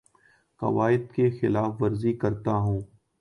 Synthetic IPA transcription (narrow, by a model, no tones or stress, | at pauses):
kɐ̰ʋaːɪd̪kexɪlaːfʋɐɾzikɐɾt̪aɦũː